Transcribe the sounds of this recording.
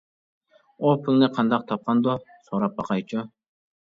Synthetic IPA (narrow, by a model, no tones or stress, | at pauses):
opʰɯŋneqʰɑnd̪ɑq̚t̪ʰɑp̚qɑnd̪o | soɾɑp̚bɑqɑjt͡ʃʰʊ